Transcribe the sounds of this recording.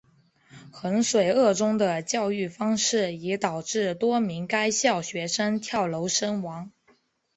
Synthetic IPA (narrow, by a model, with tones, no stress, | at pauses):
xə˧˥nʂwe˨˩ɪɤ˥˩ʈ͡ʂʊ˥ŋd̪ə˨t͡ɕjɑ˥˧ʊy˥˩fɑ˥ŋʂɻ̩˥˩i˧˥t̪ɑ˨˩ʊʈ͡ʂɻ̩˥˩t̪wɔ˥mi˧˥ŋka˥ɪɕjɑ˥˩ʊɕɥɛ˧˥ʂə˥nt̪ʰjɑ˥˩ʊlo˧˥ʊʂə˥nwɑ˧˥ŋ